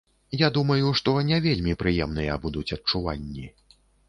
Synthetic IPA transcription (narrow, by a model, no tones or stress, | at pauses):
jad̪umɐjuʂt̪ɔnʲɛvʲelʲmʲipɾɨjɛmn̪ɨjɐ̰bud̪ut͡sʲɐtt͡ʂuvanʲːi